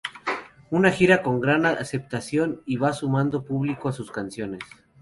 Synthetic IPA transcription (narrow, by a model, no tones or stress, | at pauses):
unaxiɾako̞ŋɡɾanase̞p̚t̪asjo̞niβasumãnd̪o̞puβlikoasuskansjo̞ne̞s